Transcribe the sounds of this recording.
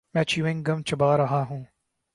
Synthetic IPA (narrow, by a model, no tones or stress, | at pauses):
mɛ̃ːt͡ʃjuɪ̃ŋɡɐmt͡ʃʰɐbaːɾɐɦaːɦũː